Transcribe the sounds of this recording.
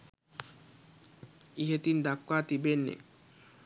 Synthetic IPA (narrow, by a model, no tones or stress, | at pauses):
iɦet̪ind̪akːwat̪ibenːɛ̰